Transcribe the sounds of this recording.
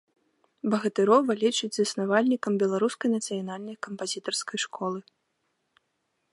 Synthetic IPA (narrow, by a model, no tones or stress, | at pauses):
bɐɣɐt̪ɨɾɔvɐlʲit͡ʂɨd͡zʲzɐsnavalʲnʲikɐmbʲɛlˠaɾuskɐjnɐt̪sɨjanalʲnɐjkɐmpazʲit̪ɐrskɐjʂkʰɔlˠɨ